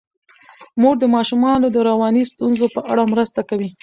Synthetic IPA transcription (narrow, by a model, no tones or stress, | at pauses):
muɡ̚d̪əmɑʃumɑnod̪əɾawɑnist̪unzopəʔaɽamɾəst̪akawi